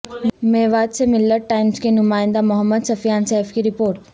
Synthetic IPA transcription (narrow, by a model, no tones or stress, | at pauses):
meːʋaːd̪semɪlːəɾʈaːɪmskenʊmaːɪ̃nd̪amʊɦəmːəd̪sɐfjaːnsɛːfkiɾɪpoːɾʈ